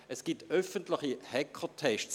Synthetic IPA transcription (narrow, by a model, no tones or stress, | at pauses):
əsɡ̥itœfəntlɪχihɛkʰətʰɛʃt͡s